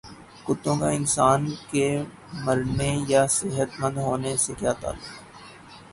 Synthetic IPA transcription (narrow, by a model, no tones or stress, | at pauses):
kʊt̪ːõkaɪnsaːnke | mɐɾnejasɪɦət̪mə̃nd̪ɦoːnesekjaːt̪a̰ːlːʊɡ